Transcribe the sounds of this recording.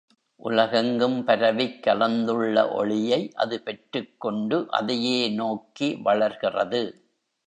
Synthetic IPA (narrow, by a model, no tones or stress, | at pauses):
ʔʊ̰lɐɣɐŋɡɯmpɐɾɐʋɪkːɐlɐnd̪ɯɭːɐ̰ʔɔ̰ɭɪjɐɪʔɐ̰ðɯpɛʈrɯkːɔɳɖɯʔɐ̰ðɐjeːnoːkiʋɐɭɐɾɣɪrɐ̰ðɯ